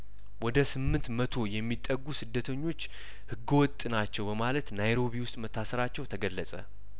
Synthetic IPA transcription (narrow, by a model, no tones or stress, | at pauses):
wɔd̪əsɨmːɨnt̪mət̪ʰo̞jɛmːit̪ʼːəɡːusɨd̪ːət̪ʰəɲːo̞t͡ʃː | hɨɡːəwɔt̪ʼːɨnat͡ʃːɛwbəmalət̪najɾo̞βiwʊst̪ʼmət̪ʰːasəɾat͡ʃːɛwt̪ʰəɡəlːəsʼə̰